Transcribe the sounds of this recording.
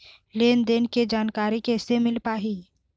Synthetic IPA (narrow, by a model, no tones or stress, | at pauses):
leːnd̪eːnked͡ʒaːnkaːɾikɛːsemɪlpaːɦi